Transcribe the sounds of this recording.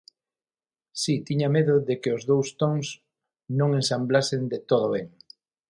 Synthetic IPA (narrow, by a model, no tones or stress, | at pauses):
sit̪iɲameðʊðekɪʊzðowst̪oŋs | nõŋẽnsamblasend̪et̪oð̞oβeŋ